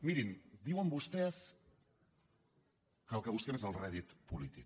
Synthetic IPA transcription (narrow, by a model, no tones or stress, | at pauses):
miɾind̪iwambust̪es | kalkaβuskenesalreðit̪polit̪ik